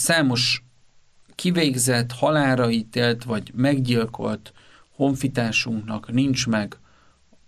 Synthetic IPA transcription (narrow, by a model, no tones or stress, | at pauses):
saːmo̞ʃ | kiveːɡzɛt̪hɒlaːɾɒit̪eːlt̪vɒɟmɛɡɟilko̞̰lt̪ | ho̞ɱfit̪aːʃuŋknɒknint͡ʃmɛɡ